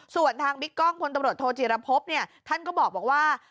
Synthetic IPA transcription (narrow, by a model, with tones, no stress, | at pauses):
su˨˩ənt̪ʰaː˧ŋbi˦˥kːɔ˥˩ŋpʰo˧nt̪a˧mɾu˨˩ə˩t̪ʰːoː˧t͡ɕi˨˩ɾa˧pʰo˦˥p̚ni˥˩ɐt̪ʰa˥˩nkɔː˥˩bɔː˨˩k̚bɔː˨˩k̚waː˥˩